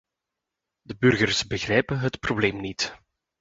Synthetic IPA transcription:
dəbɵrɣərsbəɣrɛjpənɦətprobleːmnit

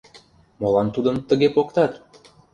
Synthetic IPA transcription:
molɑnt̪ud̪ə̆mt̪ə̆ɣepokt̪ɑt̪

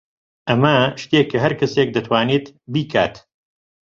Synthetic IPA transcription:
ʔɐmɐʃt̪eːkʰːɐɦɐɾkɐseːk̚d̪ɐt̪ʰwaːniːt̪biːkʰa̰ːt̪

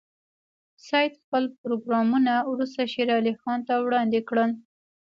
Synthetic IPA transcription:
sɑjt̪xpəlpɾoɡɾɑmunawɾust̪aʃeɾɑlixɑnt̪awɽɑnd̪ekɽəl

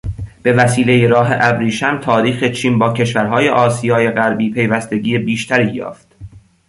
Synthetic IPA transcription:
b̥e̞væsiːlejeɾɒːɦeʔæbɾiːʃæmt̪ʰɒːɾiːxe̞t͡ʃʰiːmbɒːcʰe̞ʃvæɾɦɒːje̞ʔɒːsijɒːje̞ɣæɾbiːpʰe̞jvæst̪e̞ɟiːebiːʃt̪ʰæɾiːjɒ̰ːft̪

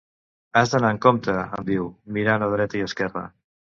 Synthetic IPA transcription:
azðənaəŋkomt̪əə̰mbiwmiɾanoð̞ɾɛt̪əiəskɛrə̰

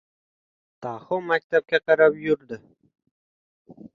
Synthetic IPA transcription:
t̪ʰɑhomak̚ʲt̪ap̚kʲaqɑɾapjʊɾd̪ɪ

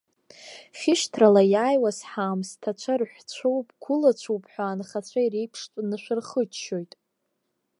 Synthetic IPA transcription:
χʲɪʃtʰralajaːjwasħaːmstʰat͡ɕʷʰarħʷᶣt͡ɕʷʰowpʼɡʰʷʊlat͡ɕʷʰowpʼħʷaːnχat͡ɕʷʰaiɾejpʰʂtʼnɨʃʷᶣɨrχət͡ʃʰʃo̞jtʼ

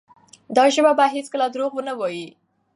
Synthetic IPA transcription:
d̪ɑʒəmabaɦet͡skəlad̪ɾoɣwənawɑji

